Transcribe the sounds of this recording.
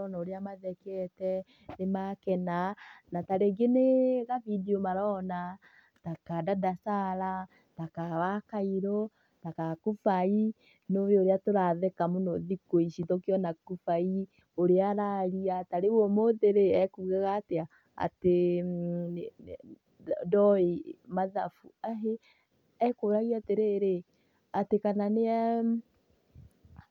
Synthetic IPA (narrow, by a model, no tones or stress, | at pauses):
ɔnaoɾeamaðɛkɛtɛ | nemakɛnanataɾeɡeneɣavideomaɾɔna | takadadasaɾa | takawakaiɾɔ | takakufai | noβeoɾeatoɾaðɛkamonoðikoiʃitokjɔnakufai | oɾeaɾaɾiataɾewɔmoðeɾeɛkuɣaɣaːtea | a̰te | dɔemaðafuaɦe | ɛkoɾaɣiateɾeɾe | atekananeɛ